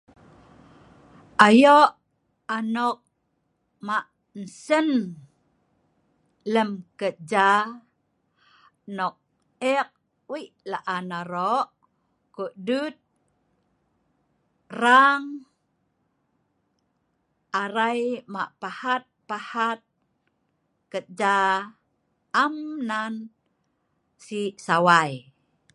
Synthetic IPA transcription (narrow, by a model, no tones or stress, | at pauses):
ʔajoʔ | anɔk̚ | maʔ | n̩sən | ləmkəd͡ʒa | nɔk̚ | ɛk̚ | wiʔlaʔanaɾoʔ | kuʔdut̪̚ | raŋ | aɾajma̰ʔpahat̪̚pahat̪̚ | kət̪̚d͡ʒa | mnan | siʔsawaj